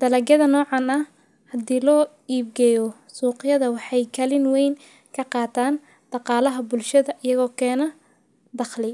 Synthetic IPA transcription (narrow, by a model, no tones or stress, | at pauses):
d̪̥ɐlɐɡɐðɐnɔːʕɑnɐh | hɐd̪iːlɔː | iːb̚ɡɛjɔ | suːqjɐðɐwɑħɑjkʰɐlɪnwɛjn | kʰɐqɑːt̪ʰaːn | d̪̥ɑqɑːlɐɦɐbʊlʃɐðɐʔɪjɐɣɔːkʰɛːnɐ | d̪ɑχlɪ